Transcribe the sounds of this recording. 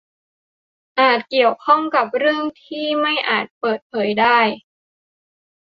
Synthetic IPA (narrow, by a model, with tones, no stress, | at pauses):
ʔaː˨˩t̪̚ki˨˩əwkʰɔ˥˩ŋka˨˩p̚ɾɯ˥˩əŋt̪ʰiː˥˩ma˥˩jʔaː˨˩t̪̚pɤː˨˩t̪̚pʰɤː˩˦jdaː˥˩j